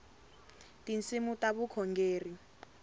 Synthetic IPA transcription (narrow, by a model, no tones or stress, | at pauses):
tint͡sʼimutaβukʰɔŋɡeːri